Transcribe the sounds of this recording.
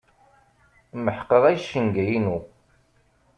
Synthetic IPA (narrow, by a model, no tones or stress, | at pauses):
məħqːəʁæjʃːənɡæjinu